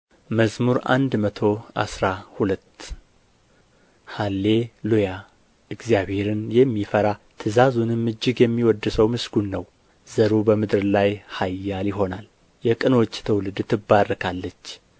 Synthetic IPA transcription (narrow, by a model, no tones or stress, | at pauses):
məzmuɾa̰nd̪mət̪ʰo̞ʔa̰sɾahulət̪ː | halːeluja | ɨɡzjaβhe̞ɾɨnjɛmːifəɾat̪ʰɨzazunɨmːɨd͡ʒːɪɡjɛmːiwɔd̪ːɨsəwmɨsɡunːəw | zəɾubəmɨd̪ɨɾlajhajːaljɪɦo̞nal | jɛkʼɨno̞t͡ʃːt̪ʰəwlɨd̪t̪ʰɨbːaɾkʰalːət͡ʃː